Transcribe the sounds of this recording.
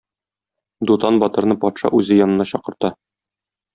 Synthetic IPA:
d̪ut̪ɑnbɒt̪ɤ̆ɾnɤpɒt̪ʃɑ̰ʔʉzɘjɒnɤ̆nɑɕɒqɤ̆ɾt̪ɑ

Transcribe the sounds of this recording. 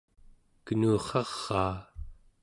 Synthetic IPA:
kənuːχɑʁ̥ːɑː

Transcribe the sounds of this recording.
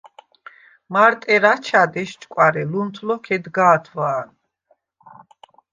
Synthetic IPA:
maɾt̪ʼɛɾat͡ʃʰad̪ɛʃt͡ʃʼkʼwaɾɛlunt̪ʰlɔkʰɛd̪ɡaːt̪ʰwaːn

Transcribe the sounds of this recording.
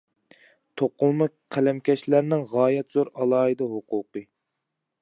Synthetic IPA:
t̪ʰoqʊlˠmɨk̚qʰælɛmkʲʰɛʃlæɾnɪŋʁɑːjɛt̪z̥oɾɑlˠɑːɨd̪ɑɦʊqʊːqɨ

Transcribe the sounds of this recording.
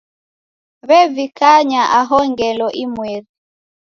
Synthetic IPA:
βɛvikaɲaʔaɦɔŋɡɛlɔʔimwɛði

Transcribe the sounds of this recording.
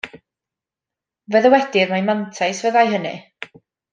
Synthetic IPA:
vəðəwɛdɪrmajmantʰajsvəðajɦənɨ̰

